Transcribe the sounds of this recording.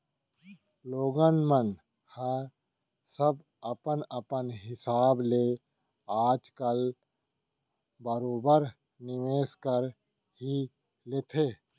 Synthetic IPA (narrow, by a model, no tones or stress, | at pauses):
loːɡənmən | hə | səb | ɐpənɐpənɦɪsaːbleː | aːd͡ʒkəl | bəɾoːbəɾ | nɪʋeːskəɾ | ɦi | leːt̪ʰeː